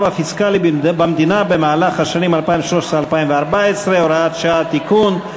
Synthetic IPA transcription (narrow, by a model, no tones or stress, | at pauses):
vafiskalibamd̪inabe̞maːlaχhaʃanimalpaivʃlo̞ʃesʁealpaimveaʁbaesʁe̞oɾaat̪ʃaat̪ikun